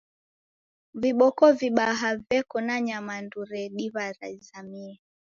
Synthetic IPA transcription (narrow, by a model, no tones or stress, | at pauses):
viɓɔkɔviɓaɦavɛkɔnaɲamanduɾɛɗiβaɾa̰zamiɛ